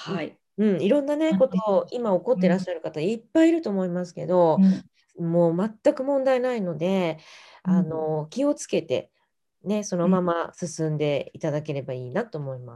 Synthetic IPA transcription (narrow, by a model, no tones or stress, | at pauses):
hai | ɯ̟̃ɴiɾõ̞nːane̞ko̞t̪oimao̞ko̞t̪̬ːe̞ɾaɕːaɾɯ̟kat̪aipːaiɾɯ̟t̪o̞ːmo̞imasɨ̥ke̞̰d̪o̞ | moːmat̪ːakɯ̟mõ̞nd̪ainaino̞d̪e̞ | ano̞kʲio̞t͡sɨ̥ke̞t̪e̞̰ | ne̞so̞no̞mamasɨsɨ̃nd̪e̞it̪ad̪ake̞ɾe̞baiːnat̪o̞ːmo̞imas